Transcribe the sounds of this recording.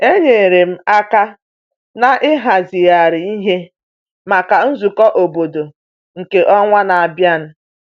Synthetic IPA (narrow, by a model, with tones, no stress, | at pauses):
e˦ɲe˨ɾe˨m̩˦a˦ka˦ | na˦˨ʔɪ˦ɦa˨zi˨ja˨ɾɪ˨i˦ɦe˦ | ma˨ka˨n̩˦zu˨kɔ˦ʔo˨bo˨do˨ | ŋ̩˨ke˨ʔɔ˦ŋʷa˦na˨a˨bja˦n̩˦